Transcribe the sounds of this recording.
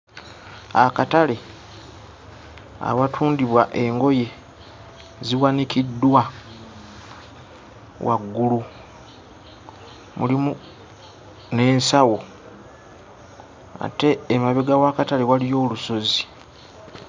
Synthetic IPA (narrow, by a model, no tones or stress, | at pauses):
akatale̞ | a̰βatʰuːndiβwaʔe̞ŋɡo̞je̞ | ziwanikidːwa | wa̰ɡːulu | mulimu | ne̞ːnsawo̞ | a̰te̞ːmaβeɡawakatale̞walijo̞ːluso̞zi